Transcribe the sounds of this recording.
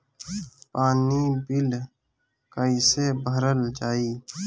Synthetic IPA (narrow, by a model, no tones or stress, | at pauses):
paːniːbɪl | kəɪseːbʱəɾəlt͡ʃaːiː